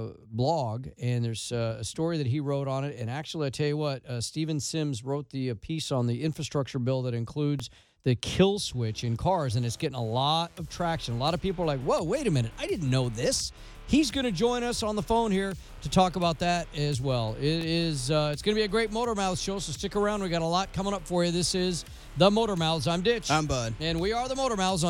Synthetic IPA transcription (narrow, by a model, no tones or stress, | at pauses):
blɔɡɨ̃nðə˞z̥ɨstɔɹiðɨt̚ɦiɹoʊɾn̩ɪɾɨ̃ñæk̚t͡ʃʉl̩ˠiaɪtʰɛlˠjwʌt̚ʌstivɨ̃nsɪ̃mzɹoʊt̪̚ðiɨpʰisn̩ðiɪ̃ɱfɹɨstɹ̥ʌk̚t͡ʃə˞bɪlˠðɨɾɨ̃nkʰl̥ʉdz | ðɨkʰɪlˠswɪt͡ʃɨ̃nkʰɑɹzɨ̃nɨtsɡ̥ɛɾɪ̃ŋəlɔɾʌv̥tʰɹ̥ækʃɨ̃nəlɔɾʌv̥pipl̩ˠə˞laɪkwɛʊweɪɾɨmɪ̃ñɨɾaɪdɪdⁿn̩noʊðɪs | hizɡʌnɨd͡ʒɔ̃ɪ̃ñʌsn̩ðəfõʊ̃nhiɹ | ɾɨtʰɔkəbaʊt̪̚ðɨɾɨzwɛlˠɪɾɪzʌɨtsɡ̥ʌnəbiɨɡɹeɪt̚moʊɾə˞maʊθʃoʊsoʊstɪkə˞ãʊ̃nd̚wiɡɑɾəlɔt̚kʰʌ̃mɪ̃ŋʌpfə˞jɨðɪsɪz | ðəmoʊɾə˞maʊzãɪ̃mdɪt͡ʃãɪ̃mbʌd̥̚ɨ̃nwiə˞ðəmoʊɾə˞maʊz